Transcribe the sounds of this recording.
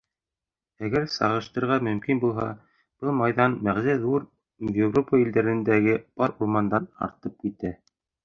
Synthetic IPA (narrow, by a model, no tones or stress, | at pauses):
æɡæɾsɑ̰ʁɤ̆ʃt̪ɤ̆ɾʁɑmɵ̆mkinbulˠɦɑ̰ | b̥ɤlˠmɑjðɑnmæʁzæðuɾ | vʲevropəĭld̪æɾɘ̆nd̪æɡɘb̥ɑɾuɾmɑnd̪ɑnɑ̰ɾt̪ɤp̚kit̪æ